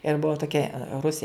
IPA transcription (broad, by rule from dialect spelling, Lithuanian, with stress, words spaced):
ɪr ˈbʊʋɐ toːˈkʲɛ ˈrʊsʲeː